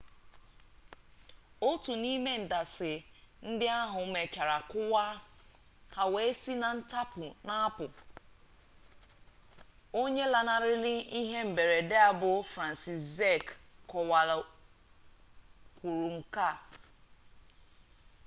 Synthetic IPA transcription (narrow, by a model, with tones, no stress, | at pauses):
o˦tu˨ni˦me˦n̩˨da˨sɪ˨n̩˦dɪ˦a˦ɦʊ˨˦me˨t͡ʃa˨ɾa˨kʊ˦wa˦ | ha˨we˨e˦si˦na˨n̩˦ta˦pʊ˨na˦a˦pʊ˨ | o˦ɲe˦la˨na˨ɾɪ˦lɪ˦i˦ɦe˦m̩˨be˨ɾe˨dɪ˦a˨bʊ˨fɾa˨n˨si˨sze˦˨kkɔ˨wa˨l | kʷu˨ɾu˨ŋ̩˨ka˦˨